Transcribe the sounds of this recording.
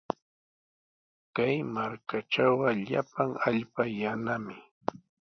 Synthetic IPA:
kajmaɾkaʈ͡ʂawɢɑʎa̰paŋaʎpajanamɪ

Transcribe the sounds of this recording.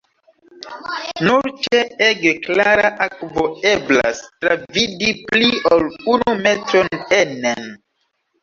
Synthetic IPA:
nuɾt͡ʃeeɡeklaɾaʔakvoe̞bla̰stɾavidipliolunumetɾonenen

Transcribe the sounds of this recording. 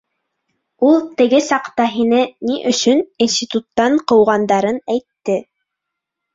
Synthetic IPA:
ulˠt̪ɘ̆ɡɘsɑqt̪ɑɦinɘniʔɵ̆ʃɵninsʲt̪ʲit̪ut̪ːɑɴqɤ̆wʁɑnd̪ɑɾɤnæjt̪ːɘ

